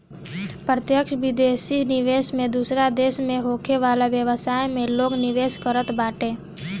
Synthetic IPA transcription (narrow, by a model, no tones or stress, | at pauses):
pɾət̪jəkʃʋɪd̪eːsinɪʋeːʃmẽd̪uːsɾad̪eːʃmẽɦoːkʰeʋaːlaʋjəʋəsaːjmẽloːɡnɪʋeːskəɾət̪baːʈẽː